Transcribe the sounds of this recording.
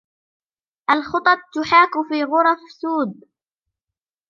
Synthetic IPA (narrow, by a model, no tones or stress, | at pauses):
ʔalxʊt̪ˤɑt̪ˤt̪ʊħaːkʊfiːɣʊɾˤɑfsuːd̪̚